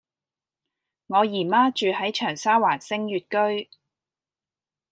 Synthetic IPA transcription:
ŋɔː˨˧jiː˨˩maː˥t͡ʃyː˨˧hɐ˨˥jt͡ʃʰœː˨˩ŋsaː˥waː˨˩nsɪ˥ŋjyː˨t̚kɵ˥ɥ

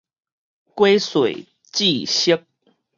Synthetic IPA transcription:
kwe˦swe˨˩ɪ | t͡ɕi˥˨ɕə˦˥k̚

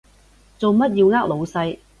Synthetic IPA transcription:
t͡so˨wmɐ˥t̚jiː˧wŋaː˥k̚lo˨˧wsɐ˧j

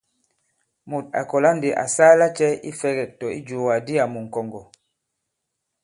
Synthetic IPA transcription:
mu˨t̚a̰˨kɔ˨la˦ndi˨ʔa̰˨saː˦la˦t͡ʃɛ˦i˦fɛ˦ɡɛ˨tɔ˨i˦d͡ʒu˨wa˨di˦a˨mu˨ŋ̩˨kɔ˨ŋɡɔ˨

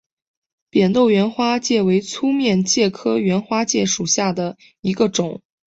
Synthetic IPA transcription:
pjɛ˨˩nt̪o˥˩ʊɥɛ˧˥nxwa˥t͡ɕjɛ˥˩we˧˥ɪt͡sʰu˥mjɛ˥˧nt͡ɕjɛ˥˩kʰɤ˥ɥɛ˧˥nxwa˥t͡ɕjɛ˥˩ʂu˨˩ɕja˥˩d̪ə˩ | i˧˥ɡə˧ʈ͡ʂʊ˨˩˦ŋ

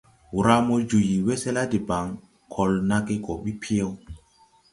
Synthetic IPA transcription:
wu˨ɾa˦mo˦d͡ʒu˨ji˨wɛ˦sɛ˦la˦di˨ba˨ŋ | kʰɔ˨lna˦ke˦ɡɔ˨ɓi˦pʰi˦e˦w

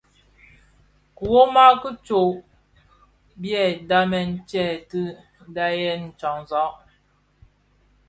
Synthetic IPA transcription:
ku˨wo˦ma˦kə˦t͡ʃo˨ʔ | bjɛ˨da˦mɛ˨n̩˦t͡ʃɛ˦˨tə˦ | da˦jɛ˦n̩˨t͡ʃɔ˨ŋzɔ˨˦ʔ

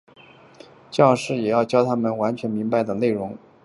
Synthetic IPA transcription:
t͡ɕjɑ˥˧ʊʂɻ̩˥˩jɛ˨˩jɑ˥˩ʊt͡ɕjɑ˥ʊt̪ʰa˥mə˨nwa˧˥nt͡ɕʰɥɛ˧˥nmi˧˥ŋpa˧ɪd̪ə˩le˥˩ɪɻʊ˧˥ŋ

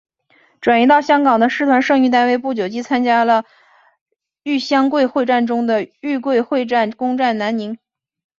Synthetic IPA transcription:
ʈ͡ʂwa˨˩ni˧˥t̪ɑ˥˩ʊɕjɑ˥ŋkɑ˨˩ŋd̪ə˦ʂɻ̩˥˩t̪ʰwa˧˥nʂɤ˥˧ŋy˥˧t̪̬a˥˧ɪwe˥˧ɪpu˥˩t͡ɕjo˨˩ʊt͡ɕi˥t͡sʰa˥nt͡ɕja˥lə˨ | y˥˩ɕjɑ˥ŋkwe˥˧ɪxwe˥˧ɪʈ͡ʂa˥˩nʈ͡ʂʊ˥ŋd̪ə˨y˥˧kwe˥˧ɪxwe˥˧ɪʈ͡ʂa˥˩nkʊ˥ŋʈ͡ʂa˥˩nna˧˥nni˧˥ŋ

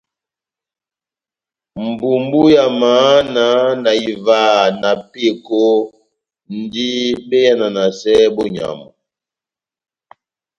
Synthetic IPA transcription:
m̩˨bu˨mbu˦ja˨ma˨˦na˨˦na˨i˨va˦˨na˨pe˦ko˦ | n̩˦di˦be˦ja˦na˨na˨sɛ˦bɔ˦ɲa̰˨mɔ˨

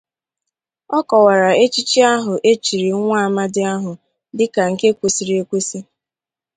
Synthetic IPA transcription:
ɔ˦kɔ˨wa˨ɾa˨e˦t͡ʃi˦t͡ʃi˦a˦ɦʊ˨ʔe˦t͡ʃi˨ɾi˨˦ŋʷa˦a˨ma˦dɪ˦a˦ɦʊ˨ | dɪ˦ka˨ŋ̩˨ke˦kʷu˨si˨ɾi˦e˦kʷu˦si˦

